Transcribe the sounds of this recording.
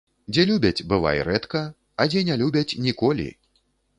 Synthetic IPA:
d͡zʲɛlʲubʲɐt͡sʲbɨva̰jɾɛt̪kɐ | ɐd͡zʲɛnʲalʲubʲɐt͡sʲnʲikɔlʲḭ

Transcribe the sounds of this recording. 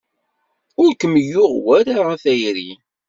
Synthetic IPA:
ʊɾkəmːəjːʊʁwæɾaʁaθæjɾi

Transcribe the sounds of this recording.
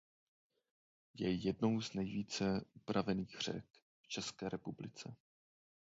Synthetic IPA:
jɛjɛdno̞wznɛjviːt͡sɛʔupɾavɛniːɣr̝̥ɛ̰k | ft͡ʃɛskɛːɾʔɛpublɪt͡sɛ

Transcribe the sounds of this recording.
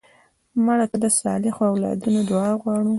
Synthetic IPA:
maɽat̪əd̪əsɑ̰lɪxoawlɑ̰d̪unod̪ʊɑɣwɑɽu

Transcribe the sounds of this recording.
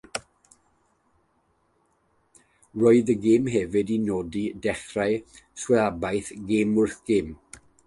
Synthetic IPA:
roːɨðəɡɪːmɦɛvɨdinoːdidɛχrajswɛabajθɡeːmʊrθɡ̥ɪːm

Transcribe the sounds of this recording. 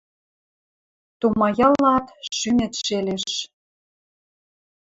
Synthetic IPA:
t̪umɑjɑlɑt̪ʃynĕt̪ʃeleʃ

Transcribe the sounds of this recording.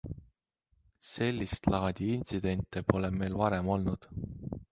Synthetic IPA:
se̞lʲːist̪lɑːd̪̥ʲiinʲt̪sid̪̥e̞nʲt̪ːˑepo̞lemmːe̞jlvɑɾe̞mo̞lnud̪̥

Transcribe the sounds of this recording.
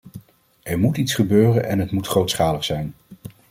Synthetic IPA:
ʔɛɹmutitsχəbøːrənʔɛ̰nɦətmutχrowtsχaːləχsɛjn

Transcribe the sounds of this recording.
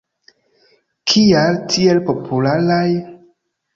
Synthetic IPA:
kʰialtʰielpo̞pʰulalaj

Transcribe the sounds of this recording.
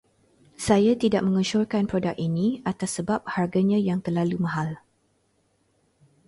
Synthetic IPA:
sajat̪idaʔ̚mə̃ŋəʃʊrkanpɾodak̚iniat̪asːəbap̚harɡaɲãjaŋt̪ərlalumãɦal

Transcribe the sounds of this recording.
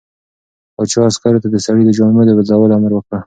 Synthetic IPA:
at͡ʃɑaskaɾot̪ad̪əsaɽid̪əd͡ʒɑnmed̪əbɪd̪lawəlaməɾwəkɽə

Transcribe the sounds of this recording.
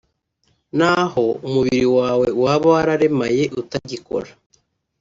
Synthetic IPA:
naho̞umuβiɾiwaːwe̞waβawaɾaɾe̞maje̞ʔutaɟiko̞̰ɾḁ

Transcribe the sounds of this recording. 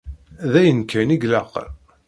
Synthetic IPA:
ðæjənkʰːæniɡlæq

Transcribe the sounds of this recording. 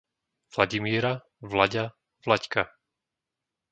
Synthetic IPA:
v̥laɟimiɛɾa | vlaɟa | vlacka

